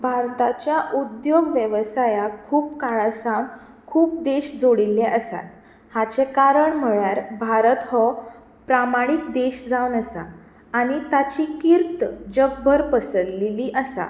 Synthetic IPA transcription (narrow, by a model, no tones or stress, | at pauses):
bʱaɾt̪at͡ɕjaʔud̪joɡʋjəʋəsajakʰuːpkaɭasam | kʰuːp̚d̪eɕd͡zoɽilːɛʔəsa̰t̪ | hat͡sekaɾəɳm̤əɭjaɾbʱaɾət̪ɦɔ | pɾamaɽ̃ik̚d̪eɕd͡zawnəsa | aɽ̃it̪at͡ɕiːkiɾt̪d͡ʑəbbʱəɾpəsəɾliliʔəsa̰